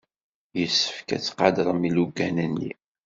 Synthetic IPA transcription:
jəsːə̥fkæ̰t͡sːqɑd̪ɾˤəmiluɡːænənːḭ

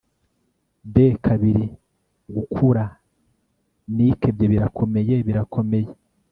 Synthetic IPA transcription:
dekʰaβiɾi | ɡukʰuɾa | nikebɟoβiɾakʰo̞me̞jeβiɾakʰo̞me̞je

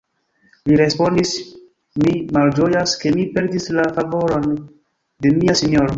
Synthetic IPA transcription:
liɾe̞spo̞ndis | mimald͡ʒo̞jaske̞mipe̞ɾdislafavo̞ɾo̞n | de̞miasiɲo̞ɾo

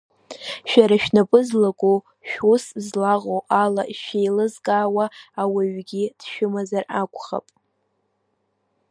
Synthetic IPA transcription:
ʃᶣaɾaʃᶣnapʼɨzlakʷʼo | ʃᶣuszlaʁowʔalaʔʃejlɨzɡʼaːwaːwaɥɡʲid̥ʃᶣʊmazarakʷʰʼχa̰pʼ

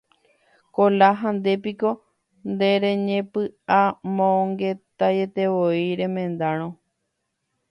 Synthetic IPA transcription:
kolaɦãnd̪e̞piko̞ | nd̪e̞ɾẽ̞ɲẽpɨamõŋɡe̞t̪aje̞t̪eʋoiɾẽ̞mẽ̞nd̪aɾ̃õ

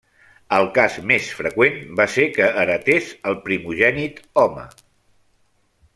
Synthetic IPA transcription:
əlˠkasmesfɾəkwenbasekəːɾət̪ezəlˠpɾimuʒɛnit̪ɔmə̰

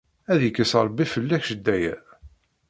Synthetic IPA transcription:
æðjəkːəsəɾˤbːifəlːæçʃəd̪ːæjæ̰

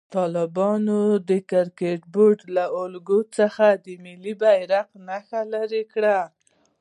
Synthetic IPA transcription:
t̪ɑlɪbɑnod̪əkaɾkeʈ̚boɾɖlaʊlɡot͡səxad̪əmɪlibajɾaqnaxalaɾekɽa

